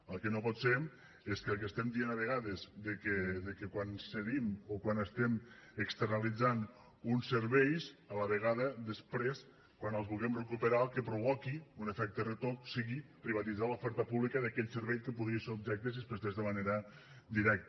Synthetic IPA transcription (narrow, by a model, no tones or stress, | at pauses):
əlˠkenopɔt̪sem | eskəlˠk̬est̪ɛmd̪ienaβ̞eɣaðezðekeðekekwanseɣimokwanəst̪emekst̪əɾnalid͡zan | unseɾβɛjsələβeɣaðəðəspɾes | kwanəlˠzβulˠɣɛmrekupeɾalˠkepɾuβɔkiunefɛk̚t̪eret̪oksiɣipɾiβat̪id͡zalufɛɾt̪əpuβlikəðəkɛʎseɾβɛʎkəpuðɾieseub̚ʒɛk̚t̪ezispɾezt̪ezðəmaneɾə | d̪iɾɛk̚t̪